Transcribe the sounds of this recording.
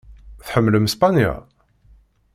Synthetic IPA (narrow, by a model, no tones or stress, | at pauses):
θħəmːləmspanja̰